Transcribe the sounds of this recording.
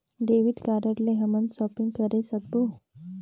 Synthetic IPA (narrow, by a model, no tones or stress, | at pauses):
ɖeʋiʈkaɾəɾleɦəmənd̪sɔpiŋɡkəɾesəɡbu